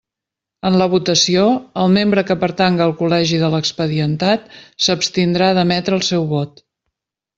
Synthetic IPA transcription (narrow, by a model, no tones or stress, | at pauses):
ənləβ̞ut̪əsioəlˠmembɾəkəpəɾt̪aŋɡəːlˠkulɛʒiðələkspəðiənt̪at̪̚səpst̪ind̪ɾaðəmɛt̪ɾəːlˠsɛwβɔt̪